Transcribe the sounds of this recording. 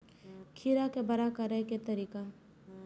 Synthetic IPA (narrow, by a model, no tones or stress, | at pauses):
kʰiːɾakebɐɾakɐɾəket̪ɐɾiːka